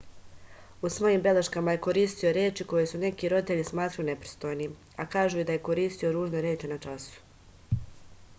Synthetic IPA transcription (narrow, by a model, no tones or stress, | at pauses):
usʋo̞jimbe̞leʃkamaje̞ko̞ɾiːst̪io̞ɾeːt͡ʃiko̞jesune̞kiɾo̞d̪it̪e̞ʎismaːt̪ɾajune̞pɾi̥st̪o̞jni | akaːʒuːid̪aje̞ko̞ɾiːst̪io̞ɾuːʒneɾjeːt͡ʃinat͡ʃasu̥